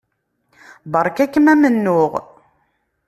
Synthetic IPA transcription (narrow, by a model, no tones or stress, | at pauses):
bɑɾˤkækːəmæmənːʊʁ